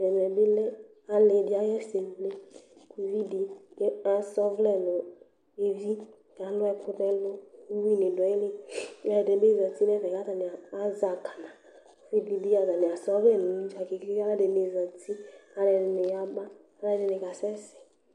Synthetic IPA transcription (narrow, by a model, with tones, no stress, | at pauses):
dɛ˨m˨ɛ˨be˦lɛ˦ | a˨le˨dɪ˨˦a˦jɛ˦se˨vle˦ku˨vi˦di˨˦a˨sɔ˦vlɛ˦nʊ˨ | e˨vi˦ | ɡa˨lʊ˦ɛ˦kʰʊ˦dɛ˦lʊ˦wi˦nɪ˨dɔ˨˦ɪ˦le˦la˦˨de˨˦be˦zã˨ti˦n˦ɛ˦vɛ˨ka˦za˨nɪ˨a˨a˦za˨ka˨nã˨˦ | fi˦bi˦di˦a˨za˨nɪ˨a˨sɔ˦vlɛ˦˨nʊ̃˨ni˦t͡ʃa˨ke˨kka˦la˦de˨ne˨zã˨ti˦a˨lɛ˨n˨ne˨ja˦ba˦ | a˦la˦d͡ʒɪ˦ne˨ka˨sɛ˦sɛ̥˨